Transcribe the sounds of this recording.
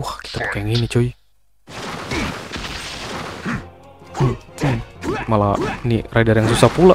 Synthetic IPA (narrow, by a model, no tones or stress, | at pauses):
ahki̥t̪apḁkajaŋinit͡ʃoi | malaniradarjaŋsusapula